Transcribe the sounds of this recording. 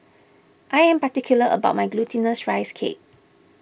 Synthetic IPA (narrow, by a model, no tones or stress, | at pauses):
ʔajɛ̃mpatikʰjuləʔə̰baʊt̚maɪɡlutʰĩnəsɹaɪskʰḛp̚